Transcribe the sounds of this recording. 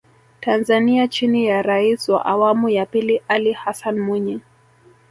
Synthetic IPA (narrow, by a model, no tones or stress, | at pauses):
tanzaniat͡ʃinijaɾaiswa̰ʔawamujapiliʔalihasanmwiɲi